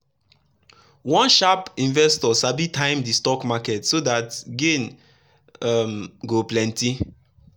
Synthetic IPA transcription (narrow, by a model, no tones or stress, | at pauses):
wɔ̃nʃapĩnvɛstɔsabitʰãɪ̃mdistɔkmakɛtsodatɡẽn | amɡoplɛ̃nti